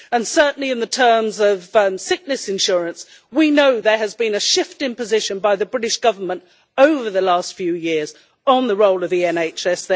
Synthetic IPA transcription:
ə̃nsɜ˞ʔn̩liɨ̃nðɨtʰɜ̃˞mzʌvsɪk̚nɨsɨ̃nʃʊɹɨ̃ns | winoʊðə˞ɨzbɨ̃nɨʃɪftɪ̃ŋpɨzɪʃɨ̃nbaɪðɨbɹɪɾɨʃɡ̥ʌvə˞mə̃nt | oʊvə˞ðəlæstfjʉjɪɹz | ə̃nðəɹoʊlˠʌvðiɛ̃neɪt͡ʃɛs

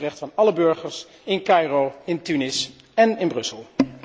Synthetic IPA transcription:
rɛχtfɑnɑləbɵɹχəɹs | ɪnkɑjrowɪntynɪs | ɛnɪnbrɵsəlˠ

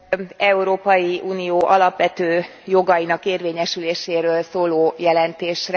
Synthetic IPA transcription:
ɛuɾoːpɒjiʔuːnijoːʔɒlɒpʋɛt̪øːjo̞ɡɒjinɒkeːrʋeːɲɛʃyleːʃeːɾøːlsoːloːjɛlɛnt̪eːʃr

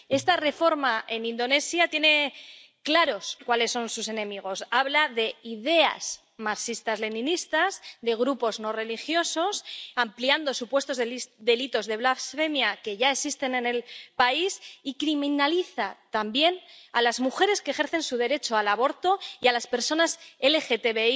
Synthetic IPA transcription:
e̞st̪are̞fo̞ɾmaʔe̞nĩnd̪o̞ne̞sjat̪je̞ne̞ | klaɾo̞skwale̞sːo̞nsuse̞nẽ̞miɣ̞o̞saβlaðe̞ið̞e̞a̰z̥ | masist̪azle̞nĩnist̪azd̪e̞ɣɾupo̞zno̞re̞lixjo̞so̞sampliand̪o̞supwe̞st̪o̞zeðe̞lit̪o̞zðe̞βlafsfe̞mjake̞ʝae̞ksist̪e̞ne̞ne̞lpaisikɾimĩnaliθat̪ambje̞nalazmuxe̞ɾe̞skexe̞ɾθe̞nsuð̞e̞ɾe̞t͡ʃo̞alaβo̞ɾt̪o̞ialaspe̞ɾso̞nase̞le̞xe̞t̪e̞βe̞i

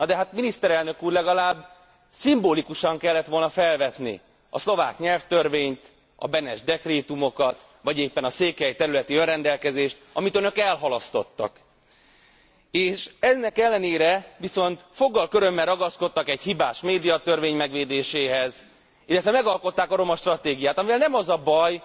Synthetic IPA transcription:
nɒd̪ɛɦat̪minist̪ɛɾɛlnø̞kuːrlɛɡɒlaːbː | simboːlikuʃɒŋkɛlːɛt̪ʋo̞lnɒfɛlvɛt̪nḭ | ɒ̰slo̞vaːkɲɛlft̪ørveːɲt̪ | ɒ̰bɛnɛʒd̪ɛkreːt̪umo̞kɒt̪ | ʋɒɟeːpːɛnɒseːkɛjt̪ɛɾylɛt̪iønrɛnd̪ɛlkɛzeːʃt̪ɒmit̪ønøkɛlɦɒlɒst̪o̞̰t̪ːɒ̰k | eːʃɛnːɛkɛlːɛneːɾɛʋiso̞nt̪fo̞ɡːɒlkøɾø̞mːɛlrɒɡɒsko̞t̪ːɒkɛchibaːʃmeːd̪ijɒt̪ørveːɲmɛɡʋeːd̪eːʃeːɦɛz | ilːɛt̪ʋɛmɛɡɒlko̞t̪ːaːkɒɾo̞mɒʃt̪rɒt̪eːɡijaːt̪ɒmivɛlnɛmɒzɒbɒj

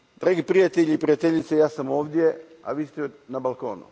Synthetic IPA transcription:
d̪̥ɾaːɡipɾijat̪eʎiipɾijat̪eʎit̪sejaːsamo̞ːʋd̪je̞ | a̰ʋiːst̪enabalˠko̰ːnṵ

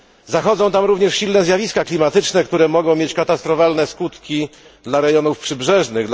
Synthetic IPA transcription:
zaxɔd̪zɔ̃w̃t̪amɾuvɲɛʂɕilnɛzʲjavʲiskaklʲimat̪ɘt͡ʂnɛkt̪uɾɛmɔɡɔ̃w̃mʲjet͡ɕkat̪ast̪ɾɔfalnɛskut̪kʲi | d̪laɾɛjɔnufpʂɘbʐɛʐnɘɣ

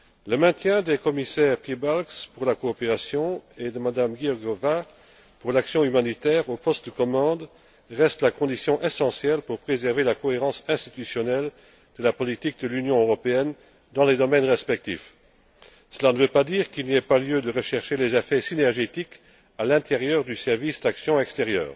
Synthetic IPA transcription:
ləmɛ̃t̪jɛ̃d̪ekɔmisɛːʁpjebalkspuʁlakoːpeʁasjɔ̃ed̪əmad̪amɡiɔɡɔva | puʁlaksjɔ̃ymanit̪ɛːʁopɔst̪̚d̪əkɔmɑ̃d̪ | ʁɛst̪lakɔ̃d̪isjɔ̃ʔɛsɑ̃sjɛlpuʁpχezɛʁvelakɔeʁɑ̃sɛ̃st̪it̪ysjɔnɛl | d̪̥əlapɔlit̪ik̚d̪əlynjɔ̃øʁɔpeɛn | d̪ɑ̃led̪ɔmɛnʁɛspɛk̚t̪ḭf | səlanəvøpad̪iːʁkilniɛpaljød̪əʁəʃɛʁʃelezafɛsinɛʁʒet̪ik | alɛ̃t̪eʁjœːʁd̪ysɛʁvisd̪aksjɔ̃ɛkst̪eʁjœ̰ːʁ

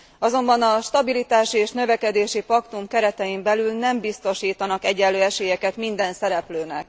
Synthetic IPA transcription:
ɒzo̞mbɒnɒʃt̪ɒbilit̪aːʃieːʃnøvɛkɛd̪eːʃipɒkt̪umkɛɾɛt̪ɛjimbɛlylnɛmbist̪o̞ʃiːt̪ɒnɒkɛɟɛlːøːɛʃeːjɛkɛt̪mind̪ɛnsɛɾɛpløːnɛk

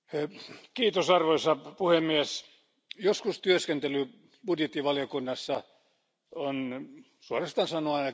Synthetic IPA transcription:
kiːt̪osɑrʋoisɑpuhemːiæs | joskust̪yøskent̪ely | b̥udjet̪ːiʋɑljokunːɑsːɑ | on | suorest̪ɑnsɑnoɑe

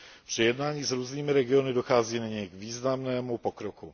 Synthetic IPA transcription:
pr̥ɛjɛdnaːɲiːzɾuːzniːmɪɾɛɡɪonɪdoxaːziːnaɲɛjɡviːznamnɛːmupokɾoku

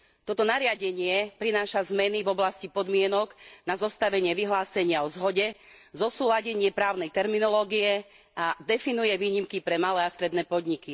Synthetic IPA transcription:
t̪ɔt̪ɔnaɾɪaɟɛɲɪɛpɾinaːʃazmɛnivɔblascipɔd̪mɪɛnɔɡnazɔst̪aʋɛɲɪɛʋiɦlaːsɛɲɪaɔzɦɔɟɛzɔsuːlaɟɛɲɪɛpɾaːʊnɛjt̪ɛɾminɔlɔːɡiɛ | ad̪ɛfinujɛʋiːɲimkipɾɛmalɛːast̪ɾɛd̪nɛːpɔd̪ɲiki

